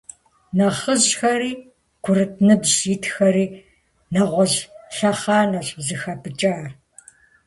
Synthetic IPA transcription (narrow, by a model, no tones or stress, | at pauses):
nɐχəʑxɐɾiː | ɡ̥ʷʰʊɾɨt̚ʰnɨbʑitʰxɐɾiː | nɐʁʷɔʑɬɐχɑːnɐɕzɨxɐpɨt͡ʃʼaːr